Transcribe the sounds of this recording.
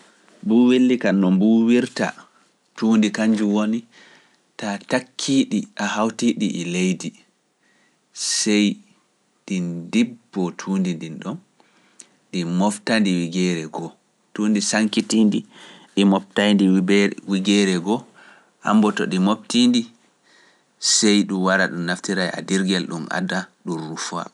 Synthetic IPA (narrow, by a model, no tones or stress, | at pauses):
buwelːikanːɔmbuwiɾta̰ | tuːndikaɲd͡ʒuwoni | tatakʰːiɗiʔahawtiɗiʔɛlejdi | sɛj | ɗindibːɔtʰuːndindinɗɔn | ɗimɔftandiwiɡɛɾɛɡɔ | tuːndisaŋkitindiɗimɔp̚tajndiwiɡɛɾɛɡɔ | ʔa̰mbɔtɔɗimobtindi | sɛjɗumwaɾaɗumːaftiɾaja̰diɾɡɛlɗumʔa̰daɗunrufa̰